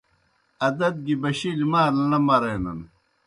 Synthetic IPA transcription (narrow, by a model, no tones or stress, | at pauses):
ɐd̪ɐd̪̚ɡibɐɕilimaːlɐnɐmɐɾɐnɐ̰n